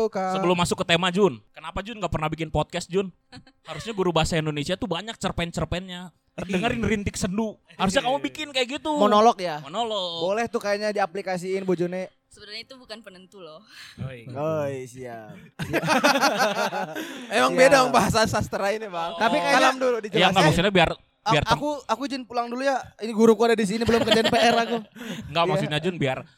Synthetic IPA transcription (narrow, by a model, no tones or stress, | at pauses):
asəbəlʊmːasʊkːət̪emad͡ʒʊnkənapad͡ʒʊnɡaʔpərnahbikɪnpɔt̪̚kɛst̪̚d͡ʒʊn | haɾusɲaɡuɾubaɦasaindonesiat̪ubaɲak̚t͡ʃərpɛnt͡ʃərpɛnɲa | dəŋəɾɪnrint̪ɪk̚sənduhaɾusɲakamubikɪnkajaɡit̪umonolɔk̚jamonolɔkbolɛht̪ukajaɲadiaplikas̬iːnbud͡ʒunɛ | səbəɾaɲait̪ubukanpənənt̪ulɔ | ojsia | emaŋbedamaŋbaɦas̬asast̪əɾainibaŋt̪apikaaaamduludit͡ʃjaŋɡamaksuɲabiar | aiartkuakud͡ʒɪnpulaŋdulujainiɡuɾukuadadis̬inibəlʊmkərd͡ʒanpeeɾakuŋɡaʔmaksut̪ɲad͡ʒʊnbiar